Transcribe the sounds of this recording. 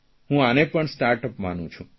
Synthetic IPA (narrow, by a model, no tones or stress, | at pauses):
ɦũanepəɳsʈaɾʈəpmanũt͡ʃʰũ